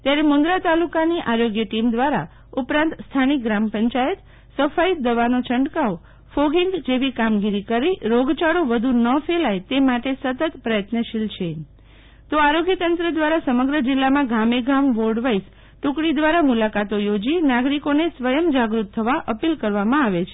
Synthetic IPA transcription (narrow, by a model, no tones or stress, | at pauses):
t̪jaɾemʊ̃nd̪ɾat̪alukaniʔaɾoɡjəʈimd̪ʋaɾa | upɾãnt̪st̪ʰanik̚ɡɾampəɲt͡ʃajət̪ | səfaid̪əʋanot͡ʃʰəɳɖkao | foɡiŋɡd͡ʒeʋikamɡiɾikəɾiɾoɡt͡ʃaɽoʋəd̪ʱunəfelajt̪emaʈesət̪ət̪pɾəjət̪nəʃilt͡ʃʰe | t̪oaɾoɡjət̪ənt̪ɾəd̪ʋaɾasəməɡɾəd͡ʒɪlːamãɡʱameɡʱamʋoɾɖʋais | ʈũkɽid̪ʋaɾamulakat̪ojod͡ʒinaɡɾikonesʋəjəmd͡ʒaɡɾut̪ʰːəʋaʔəpilkəɾʋamãaʋet͡ʃʰe